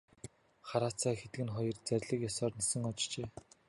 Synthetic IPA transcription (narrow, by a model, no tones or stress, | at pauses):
χaɾaːt͡sʰæːxet̪ɡɘ̆nχɔjɞ̆rt͡sæɾʲɮɘ̆kjɔsɔːrnesɘ̆ŋɔt͡ɕt͡ɕeː